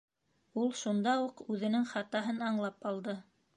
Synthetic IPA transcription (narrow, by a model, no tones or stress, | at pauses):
ulˠʃund̪ɑuqʉðɘ̆nɘŋχɑt̪ɑɦɤnɑɴlˠɑpɑlˠd̪ɤ